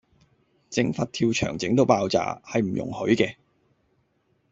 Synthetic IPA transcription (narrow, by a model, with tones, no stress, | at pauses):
t͡sɪ˧ŋfɐ˧t̚t̪ʰiː˧wt͡ʃʰœ̰ː˨˩ŋt͡sɪ˨˥ŋt̪o˧wpaː˧wt͡sa̰ː˧hɐ˨jm̩˨˩jʊ̰˨˩ŋhɵ˨˥ɥkɛː˧